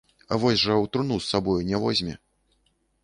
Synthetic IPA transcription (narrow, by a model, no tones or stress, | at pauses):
a̰vɔsʲʐɐwt̪ɾnusːabɔjunʲɛvɔzʲmʲɛ